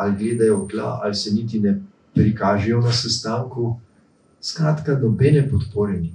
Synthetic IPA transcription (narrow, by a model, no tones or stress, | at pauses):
alɡleːd̪ajɔɡ̪la̰ʔalsɛniːt̪̬inɛ | pɾikaːʒɛjɔnasɛst̪aːŋku | skɾaːt̪kanɔbɛnɛpɔt̪poːɾɛni